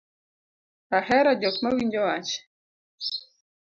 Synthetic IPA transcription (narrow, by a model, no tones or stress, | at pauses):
ahɛɾad͡ʒɔkmawind͡ʒɔwat͡ʃ